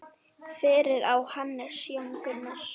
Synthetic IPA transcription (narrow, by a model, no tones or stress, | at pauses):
fɪːɾɪɾawhanːɪsjɔmkʏnːaɾ̥